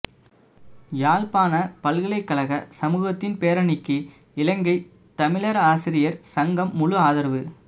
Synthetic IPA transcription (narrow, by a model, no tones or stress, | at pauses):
jaːɭpaːnɐpɐlɣɪɭɐɪkːɐɭɐɣɐsɐmuːɣɐt̪ːɪnpeːɾɐɳɪkːɯ | ɪlɐŋɡɐɪ | t̪ɐmɪɭɐɾaːsɪɾɪjɐɾsɐŋɡɐmːʊɻɯaːðɐɾʋɯ